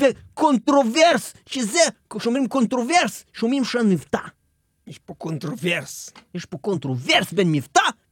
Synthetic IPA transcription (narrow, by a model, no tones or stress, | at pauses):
pekõnt̪ɾovɛɾs | ʃizɛkʃõmimkõnt̪ɾovɛɾsʃõmimʃɐ̃nmivt̪a | iʃpɐkõnt̪ɾovɛɾsiʃpokõnt̪ɾovɛɾsbẽnmivut̪a